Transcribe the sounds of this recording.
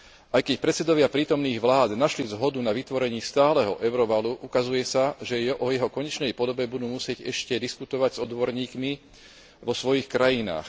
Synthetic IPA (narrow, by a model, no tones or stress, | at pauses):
ʔajkɛc̚pɾɛt̪sɛd̪ɔʋɪapɾiːt̪ɔmniːɣʋlaːd̪naʃlizɦɔd̪unaʋit̪ʋɔɾɛɲiːst̪aːlɛɦɔʔɛʊɾɔʋaluʔukazujɛsaʒɛʔɔjɛɦɔkɔɲɛt͡ʃnɛjpɔd̪ɔbɛbud̪uːmusɪɛɟɛʃcɛd̪iskut̪ɔʋaɟz̥ɔd̪bɔɾɲiːkmi | ʋɔsʋɔjiːxkɾajina̰ːx